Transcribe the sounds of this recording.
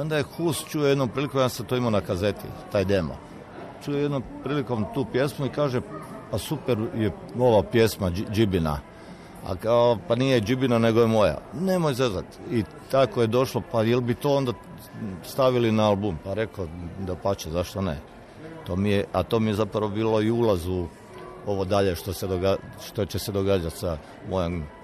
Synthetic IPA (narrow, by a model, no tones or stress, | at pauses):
io̞nd̪ajexust͡ʃujejed̪nompɾiːlikomjaset̪oimonakaze̞t̪ḭt̪aːjd̪emo̰ | t͡ʃujjed̪nompɾiːliko̞mt̪uːpje̞smuikaːʒepasupeɾje | o̞ʋapjesmad͡ʒibina̰ | a̰kapanijed͡ʒibinane̞ɡojemo̞ja̰ne̞mojzezat̪i | t̪akojed̪o̞ʃlopajelbit̪oːond̪a | st̪aʋilinaalˠbumpaɾe̞kod̪apat͡ʃezaʃt̪onḛ | t̪o̞ːmijeat̪o̞ːmijezapɾaʋobiːlo̞iulazu | o̞ʋod̪aʎeʃt̪osed̪oɡaʃt̪ot͡ɕesed̪o̞ɡaːd͡ʒat̪sa | mojom